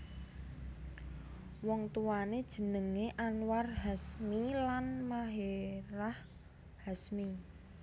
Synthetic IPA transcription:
wɔŋt̪uwaned̥ʒ̥ə̤nəŋeʔanwarɦasmilanmaɦeɾah | hasmi

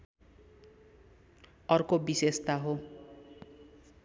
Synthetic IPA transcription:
ʌɾkobisest̪aɦo

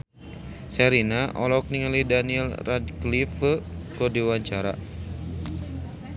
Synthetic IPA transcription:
sɛɾinaʔɔ̰lɔk̚niŋəlidaniɛlradklifəkɔdiwaɲt͡ʃaɾa̰

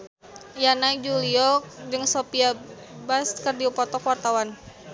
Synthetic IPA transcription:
janajd͡ʒuliɔk̚dɨŋsopia | baskərdiɔpɔt̪ɔkwart̪awan

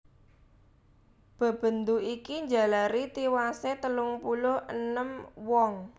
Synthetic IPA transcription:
b̥ə̤b̥ə̤nd̪uʔikiɲd͡ʒa̤laɾit̪iwaset̪əlʊŋpulʊhʔənəmwɔŋ

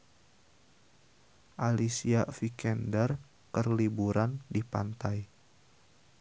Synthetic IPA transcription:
ʔalisiafikɛndər | kərlibuɾandipa̰nt̪aj

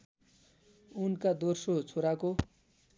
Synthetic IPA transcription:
unkad̪orsot͡sʰoɾako

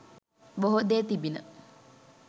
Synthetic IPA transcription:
boɦod̪eːt̪ibinə

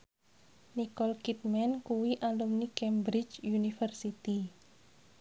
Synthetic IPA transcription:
nikɔlkit̪̚mɛnkuwiʔaldɔmnikɛmbɾit͡ʃjunifərsit̪i

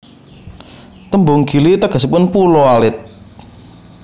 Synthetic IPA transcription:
t̪əmbʊŋɡi̤lit̪əɡ̥ə̤sipʊnpulɔalɪt̪̚

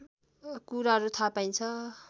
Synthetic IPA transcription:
kuɾaɦʌɾut̪ʰapaj̃t͡sʰʌ

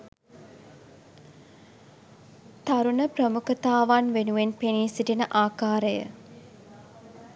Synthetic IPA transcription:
t̪aɾunəprəmukət̪aːʋanʋenuʋenpeniːsiʈinəʔaːkaːɾəjə̰

